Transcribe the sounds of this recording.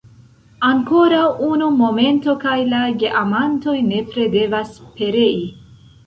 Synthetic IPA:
aŋko̞ɾawunumo̞me̞nto̞kajlaɡeʔamanto̞jne̞pɾe̞de̞vaspe̞ɾe̞i

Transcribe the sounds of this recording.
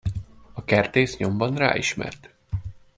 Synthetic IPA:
ɒkɛrt̪eːsɲo̞mbɒnra̰ːʔiʃmɛ̰rt̪

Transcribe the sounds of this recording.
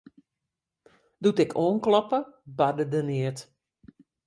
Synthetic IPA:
dutɪkʰoːnklɔpəbadədəniət

